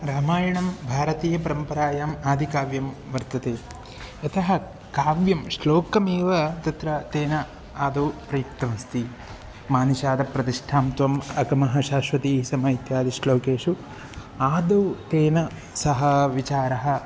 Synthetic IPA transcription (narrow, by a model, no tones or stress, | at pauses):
ɾaːmaːjɐɳɐmbʱaːɾɐt̪iːjɐpɐɾɐmpɐɾaːjaːmaːd̪ʱikaːʋjɐmʋɐɾt̪ɐt̪eː | ɐt̪ɐɦɐ̆ | kaːʋjɐmʂloːkɐmeːʋɐt̪ɐt̪ɾɐt̪eːnɐ | aːd̪oːpɾɐjukt̪ɐmɐst̪i | maːnuʃaːd̪ɐpɾɐt̪iʂʈʰaːmt̪ʋɐmɐkɐmɐɦɐʃaːʃʋɐt̪iːsɐmɐit̪jaːd̪iʃloːkeːʂu | aːd̪ot̪eːnɐ | sɐɦɐʋit͡ʃaːɾɐɦɐ̆